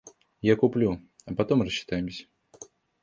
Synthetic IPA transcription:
jakʊplʲuɐpɐt̪omrəɕːɪ̥t̪ajɪmsʲə̥

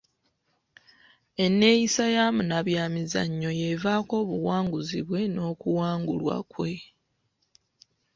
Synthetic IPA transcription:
e̞nːe̞jisajamunaβjaːmiza̰ɲːo̞je̞vaːko̞ːβuwaːŋɡuziβwe̞no̞ːkuwaːŋɡulwa̰kwe̞

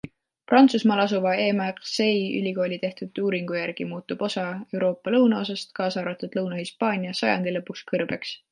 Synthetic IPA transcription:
prɑnt̪susmɑːlɑs̬uvɑe̞ːmɑʁse̞jy̰lʲiko̞ːlʲit̪e̞ht̪ud̪ˑuːɾiŋɡ̥ujærɡ̥imuːt̪ːˑub̥o̞sɑe̞wɾo̞ːpːˑɑlɤwnɑo̞s̬ɑst̪kɑːsɑːɾɑt̪ˑud̪̥lɤwnɑhispɑːnʲijɑsɑjɑ̰nd̪̥ilɤpːuskɤrb̥e̞ks

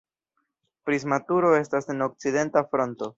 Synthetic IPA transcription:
pɾizmatuɾo̞e̞stase̞no̞k̚t͡side̞ntafɾo̞nto̞

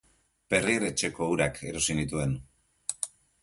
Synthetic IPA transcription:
pe̞riɾe̞t͡ʃe̞ko̞uɾakʰe̞ɾo̞sinit̪ue̞n

